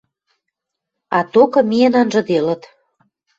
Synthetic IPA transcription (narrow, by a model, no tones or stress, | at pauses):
ɑt̪okɤ̆mijenɑnʒɤ̆d̪elə̆t̪